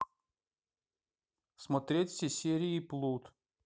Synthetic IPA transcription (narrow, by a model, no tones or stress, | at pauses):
smɐt̪ɾʲetʲfsʲesʲeɾʲɪiplˠut̪